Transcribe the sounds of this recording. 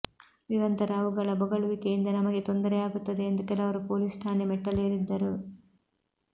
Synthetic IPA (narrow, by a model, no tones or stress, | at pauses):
niɾɐnt̪ɐɾaːʋuɡɐɭɐbɔɡɐɭuʋikejind̪ɐnɐmɐɡe̞t̪ond̪ɐɾejaːɡut̪ːɐd̪e̞ːnd̪ukɛlɐʋɐɾupo̞ːlisʈʰaːnemɛʈːɐleːɾid̪ːɐɾu